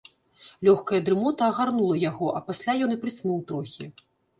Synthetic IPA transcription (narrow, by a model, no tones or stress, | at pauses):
lʲɔxkɐjɐd̪ɾɨmɔt̪ɐːɣarnulˠɐjaɣɔʔɐpasʲlʲajɔnɨpɾɨsʲnuwt̪ɾɔxʲi